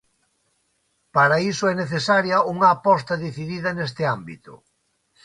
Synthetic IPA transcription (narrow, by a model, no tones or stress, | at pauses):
paɾaisʊɛneθesaɾjɐuŋɐːpɔst̪ɐðiθiðiðɐnest̪ɪambit̪ʊ̰